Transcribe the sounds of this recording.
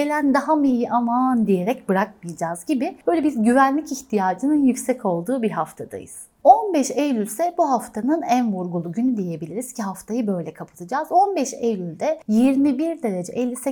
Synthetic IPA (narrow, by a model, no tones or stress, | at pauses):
elʲænd̪aɦamiijiʔamand̪ije̞ɾɛcbɯɾak̚mɯjd͡ʒaːzɟibɪb̥ø̞jlʲɛbizɟyvænlʲiciçt̪ʰijaːd͡ʒɯnɯnjycsɛcʰo̞lˠd̪uːbiɾɦaft̪ʰad̪a̰jɯ̰z̥ | o̞nbɛʃejlʲylʲsɛbuɦaft̪ʰanɯnænvuɾɡulˠuɟynyd̪ije̞bilʲiɾiz̥cʰiɦaft̪ʰajɯbø̞jlʲɛkʰapʰɯ̥t̪ʰɯd͡ʒaːzo̞nbɛʃejlʲylʲd̪ɛjeɾinibiɾd̪eɾed͡ʒɛʔɛlʲːisɛ